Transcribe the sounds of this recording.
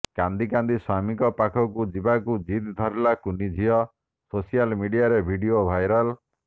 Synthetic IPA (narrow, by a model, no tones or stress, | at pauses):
kãnd̪ikand̪iswamikɔpakʰɔkud͡ʒibakud͡ʒit̪d̪ʱɔɾlakunid͡ʒʱiɔ | sosijalmiɖijaɾebʱiɖijobʱajɾɔl